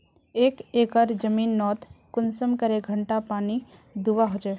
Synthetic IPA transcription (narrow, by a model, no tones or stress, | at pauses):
eːkeːkəɾd͡ʒɐmiːnːɔːt̪kʊnsəmkɐɾeɡʱə̃ɳʈapaːni | d̪uʋaɦoːd͡ʒae